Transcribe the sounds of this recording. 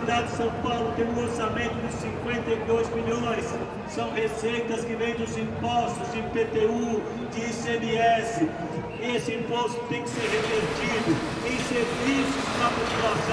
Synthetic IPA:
id̪adɪd͡ʒɪsɐ̃w̃pawlʊt̪ẽũoɾsamẽnt̪ʊd̪ɪsĩŋkwẽnt̪ɐjd̪ojzmiʎõj̃s | sɐ̃w̃hesejt̪ɐskɪvẽj̃d̪ʊzĩpɔst̪ʊzẽpet̪eu | d͡ʒ̪ɪsemeɛsɪ | esɪĩpɔst̪ʊ̥t̪ẽj̃kɪ̥seɾɦeveɾt̪id̪ʊ | ẽj̃seɾvisʊspɾɐpopulasɐ̃

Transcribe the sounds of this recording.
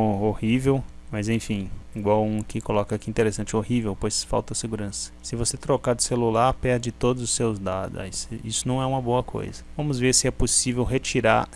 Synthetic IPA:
ohivewmɐzẽj̃fĩiɡwawũkɪkolɔkɐakiĩnt̪eɾesɐ̃nt͡ʃɪohivewpojsfa̰wt̪ɐseɡuɾɐ̃sɐ̥sɪvoset̪ɾokaɾd͡ʒ̪ɪselulaɾpɛɾd͡ʒɪt̪od̪ʊzʊsewzd̪ad̪ʊ̰isisʊnɐ̃w̃ɛũmɐboɐkʰo̰jzɐvɐ̃mʊzveɾsɪɛposivewɦet͡ʃiɾa̰ɾ

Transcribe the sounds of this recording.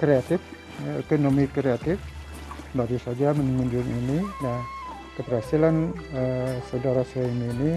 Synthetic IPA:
kɾeat̪ɪf | ḛkonomikɾeat̪ɪf | baɾusad͡ʒamənŋuɲd͡ʒʊŋinina | kəpərhasilanəsawdaɾasaaimiːni

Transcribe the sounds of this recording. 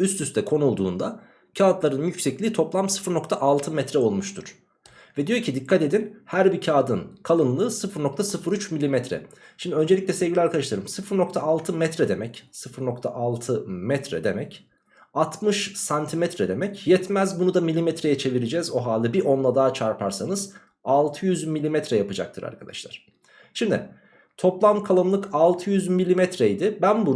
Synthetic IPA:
yst̪ʰyst̪ʰɛkʰo̞nulˠd̪uːnd̪a | cʰaːt̪lˠaɾɯnjycsɛclʲiːt̪ʰo̞plˠamsɯ̥fɯɾno̞kt̪ʰaʔalˠt̪ʰɯmɛt̪ɾɛo̞lˠmuʃt̪ʰuɾ̥ | vɛd̪ijo̞ɾcʰid̪ikʰːat̪e̞d̪inhæɾbicʰaːd̪ɯnkʰalˠɯnlˠɯːsɯfɯɾno̞k̚t̪ʰasɯfɯɾyt͡ʃmilʲːimɛt̪ɾɛ̰ʃimd̪iø̞nd͡ʒe̞lʲiclʲɛsɛvɡʲilʲɛaɾkad̪aʃlˠaɾɯmsɯfɯɾno̞k̚t̪ʰaalˠt̪ʰɯmɛt̪ɾɛd̪e̞mɛcsɯfɯɾno̞kt̪ʰa̰ʔalˠt̪ʰɯmɛt̪ɾɛ̰d̪e̞mɛc | at̪ʰmɯʃsant̪ʰimɛt̪ɾɛd̪e̞mɛcjɛt̪mæzbunud̪amilʲːimɛt̪ɾejɛt͡ʃʰe̞viɾid͡ʒɛzo̞ɦaːlʲˠɯbiʔo̞nlˠad̪aːt͡ʃʰaɾpʰaɾsanɯz̥ | alˠt̪ʰɯjyzmilʲimɛt̪ɾɛjapɯd͡ʒa̰k̚t̪ʰɯɾa̰ɾkʰad̪a̰ʃlˠa̰ɾ̥ | ʃimd̪ɪ̰ | t̪ʰo̞plˠamkʰalˠɯnlˠɯkalˠt̪ʰɯjyzmilʲimɛt̪ɾɛjd̪ɪbænbu

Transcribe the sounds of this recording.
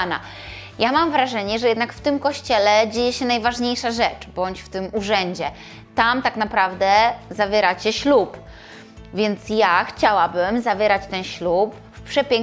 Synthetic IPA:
na̰ | jamamvɾaʐɛɲɛʐɛjɛd̪nakft̪ɘmkɔɕt͡ɕɛlɛd͡ʑejɛɕɛnajvaʐɲejʂaʐɛt͡ʂbɔɲt͡ɕft̪ɘmuʐɛɲd͡ʑɛ | t̪amt̪aknapɾavd̪ɛzavʲɛɾat͡ɕɛɕlup | vʲjɛnt̪sjaxt͡ɕawabɘmzavʲjɛɾat͡ɕt̪ɛnɕlup̚ː | pʂɛpʲjɛŋk

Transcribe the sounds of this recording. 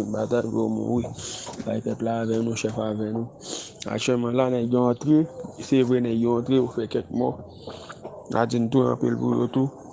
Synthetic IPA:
nbat̪adɡomṵ̃wibaipɛplavɛnũʃɛfavɛ̃nũa̰k̚t͡ʃɥɛlmãlanɛ̃ɡãt̪ɾesevenɛ̃ɡãt̪ɾeofɛkɛk̚mɔ | na̰d͡zinũtuã̰pḭlpṵjot̪u

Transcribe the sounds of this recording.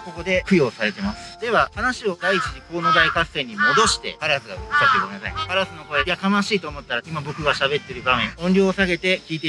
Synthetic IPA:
ko̞ko̞d̪e̞ɸɯ̟jo̞ːsaɾe̞t̪e̞masɨ̥d̪e̞βahanaɕio̞d̪ait͡ɕiɲiko̞ːno̞d̪aikasẽ̞ɲ̟ːimo̞d̪o̞ɕi̥t̪e̞̰paɾasɨɡa̰sakikomenasa̰ipaɾasɨno̞ko̞eiak̪amaɕiːt̪o̞ːmo̞t̪ːaɾaimabo̞kɯ̟ɡaɕabe̞t̪ːe̞ɾɯ̟bamẽ̞ŋõ̞nɾʲo̞ːsaɡe̞t̪e̞kʲiːt̪̬e̞

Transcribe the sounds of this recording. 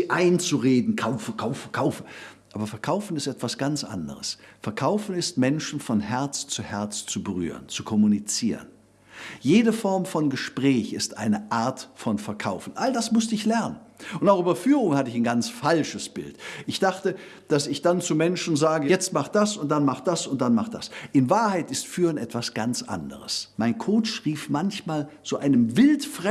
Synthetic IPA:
ʔaɪnt͡suʁeːdn̩kʰaʊfəkʰaʊfəkʰaʊfəʔaːbɐfɛɐkʰaʊfn̩ɪstʔɛtv̥asɡ̥ant͡sʔa̰ndə̰ʁəsfɛɐkʰaʊfn̩ɪstmɛnʃn̩fɔnhɛɐt͡st͡suhɛɐt͡st͡subəʁy̰ːʁənt͡sukʰɔmunit͡siːʁən | jeːdəfɔɐmfɔnɡəʃpʁ̥ɛːçɪstʔa̰ɪnəʔaɐtfɔnfɛɐkʰaʊfn̩ʔaldasmʊstəɪçlɛɐnən | ʔʊntaʊxʔyːbɐfyːʁʊŋhatəɪçaɪnɡant͡sfalʃəsb̥ɪ̰ltʔɪçd̥aχtə | d̥asɪçd̥ant͡sumɛnʃn̩zaːɡəjɛt͡st̚maχtd̥asʊntd̥anmaχt̚d̥asʊntd̥anmaχt̚d̥a̰sʔɪnvaːɐhaɪtɪstfyːʁənɛtv̥asɡ̥ant͡sʔa̰ndə̰ʁəsmaɪnkʰoːt͡ʃʁ̥iːfmançmaːlt͡suʔaɪnəmvɪltfʁ̥ɛ

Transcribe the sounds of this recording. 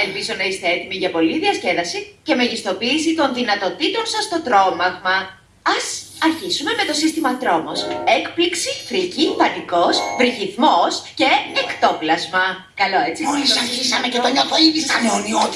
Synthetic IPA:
e̞lpizo̞nɐist̪e̞et̪imiʝɐpo̞liðiɐsce̞ðɐsice̞meʝist̪o̞piːs̬it̪o̞nðinɐt̪o̞t̪it̪o̞nsɐst̪o̞t̪ɾo̞mɐɣmɐ | ɐsɐɾçisume̞me̞t̪o̞sist̪imɐt̪ɾo̞mose̞kpliksifɾicipɐt̪iko̞svɾiçiθmo̞sce̞ːkt̪o̞plɐzmɐ | kɐlo̞e̞t͡siolisɐɾçisɐmecet̪oɲot̪oinisɐmonio

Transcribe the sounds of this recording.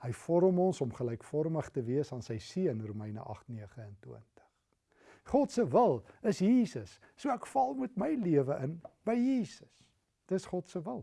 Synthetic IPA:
həjfɔɾəmɔnsɔmχəlɛjkfɔrməχtəviəsɑːnsəjsiəənruməjnə̰ʔɐ̰χtniəχəɛntwiəntə̥χ | χɔtsəvəlˠəsjiːsəsː | uəækfɐlˠmutməjliəvəʔənb̥əjjiːsəs | d̥əsχɔtsəvəlˠ

